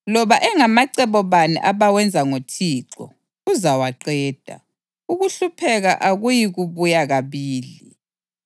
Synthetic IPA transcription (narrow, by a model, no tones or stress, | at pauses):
lɔβaʔɛŋamaǀɛβɔβanḭʔaβawɛnd͡zʱaŋotʰiːǁɔ̰ | uzawaǃɛːd̥ʱa̰ | uɣuɬupʰɛɣa̰ʔaɣujiɣuβujaɣaβiːli